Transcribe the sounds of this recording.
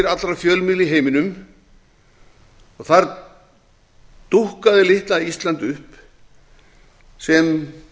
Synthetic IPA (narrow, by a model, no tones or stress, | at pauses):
ɾat̪lɾafjœːlmɪːlɪɦeːjmɪnʏm | ɔɣθaɾ | t̪uhkaðɪlɪht̪laðist̪lant̪ʏhp | sɛm